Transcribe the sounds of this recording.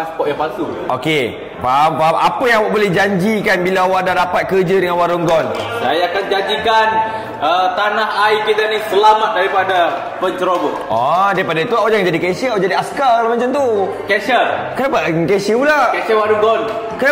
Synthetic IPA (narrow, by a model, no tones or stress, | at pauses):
aspɔʔjaŋpasuʔo̰ke | pampamʔapəjãŋawaʔ̚bolɛhd͡ʒaɲd͡ʒikanbilaawaʔdadapat̪̚kərd͡ʒədəŋanwaɾʊŋɡɔnsajakand͡ʒaɲd͡ʒikan | ət̪anaɦajkit̪anisəlamat̪̚daɾipada | pəɲt͡ʃəɾoɡɔ | ɔdaipadat̪uawad͡ʒaŋd͡ʒadikɛsəawʔd͡ʒadiaskalkalamãɲt͡ʃant̪u | kɛsəkanapaʔkɛsəpulakɛʃəwaɾuŋɡɔn | kana